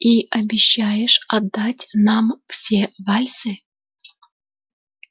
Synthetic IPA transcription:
iʔɐbʲɪɕːajɪʂɐd̪ːatʲnɑmfsʲevɑlʲsɨ

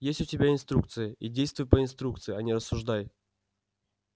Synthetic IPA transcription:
jesʲtʲʊtʲɪbʲaɪnst̪ɾuk̚t̪sɨjəʔidʲejst̪vʊjpəɪnst̪ɾuk̚t̪sɨɪanʲiɾəsːʊʐd̪aj

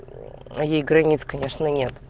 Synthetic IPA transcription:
ɐjejɡɾɐnʲit̪skɐnʲe̞ʂnənʲet̪

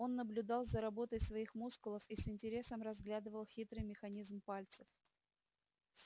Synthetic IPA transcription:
o̞nːəblʲʊd̪ɑlˠzəɾɐbo̞t̪əjsvɐixmuskʊlˠəfisɪnʲtʲɪɾʲe̞səmrɐzɡlʲad̪ɨvəlˠxʲit̪ɾɨjmʲɪxɐnʲizmpalʲt̪səf | s

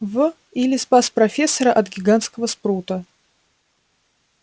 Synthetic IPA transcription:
vɨ | ilʲɪspasprɐfʲesːəɾəʔɐt̪ɡʲɪɡant̪skəvəsprut̪ə

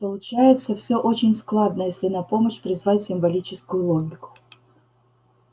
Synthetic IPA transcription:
pəlˠʊt͡ɕæjɪt̪səfsʲo̞ʔot͡ɕɪnʲsklˠad̪nəjesʲlʲɪnɐpo̞məɕpɾʲɪzvatʲsʲɪmvɐlʲit͡ɕɪskʊjʊlˠomʲɪkʊ̥

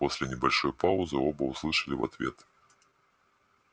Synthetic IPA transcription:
ɔsʲlʲɛnʲɛbalʲʂɔjpawzɨɔbɐwslˠɨʂɐlʲiva̰t̪vʲɛ̰t̪

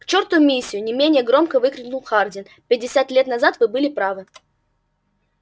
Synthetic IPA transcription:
kt͡ɕort̪ʊjʊmʲisʲːɪjʊnʲɪmʲenʲɪjəɡɾo̞mkəvɨkɾʲɪnʊlˠxardʲɪn | pʲɪdʲːɪsʲat̪lʲet̪nɐzat̪vɨbɨlʲɪpɾavɨ

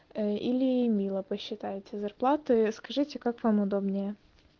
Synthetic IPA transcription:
əḭlʲɪmʲilˠəpəɕːɪt̪ajɪt̪ʲɪzɐrplˠat̪ɨskɐʐɨtʲɪkakvamʊd̪obnʲɪjə

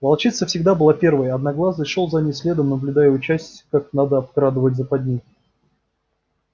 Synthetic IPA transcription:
vɐlˠt͡ɕit̪səfsʲɪɡd̪abɨlˠapʲe̞rvəjɐːd̪naɡlˠaznɨʂolˠzanʲisʲlʲe̞d̪əmnəblʲʊd̪ajəʊt͡ɕæsʲtʲkaknad̪əɐp̚kɾad̪ɨvətʲzəpɐdʲnʲij

